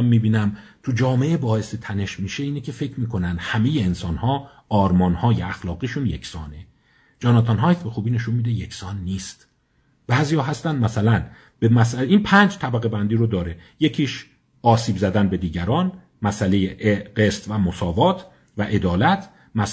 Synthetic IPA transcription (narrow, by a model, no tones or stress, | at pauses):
mːiːbiːnæmt̪ʰud͡ʒɒːme̞ʔebɒːeset̪ʰæne̞ʃmiːʃe̞iːnecʰe̞fe̞cʰɾmiːkʰo̞nænd̪̥hæme̞je̞ːnsɒːnhɒː | ɒːɾmɒːnhɒːjeæxlɒːɣiːʃunje̞kʰsɒːne | d͡ʒɒːnɑt̪ʰɑnɦɒːjt̪be̞xuːbiːneʃunmiːd̪eje̞kʰsɒːnːiːst̪ | b̥æːziːjɒːɦæst̪ænd̪mæsælæn | b̥emæsæiːnpʰæːnd͡ʒt̪ʰæbæɣe̞bænd̪iːɾod̪ɒːɾe̞je̞cʰiːʃ | ʔɒːsiːbzæd̪ænbe̞d̪iːɟæɾɒːn | mæsæle̞jeʔeɢest̪væmo̞sɒːvɒːt̪ʰ | væʔe̞d̪ɒːlæt̪ʰ | mæs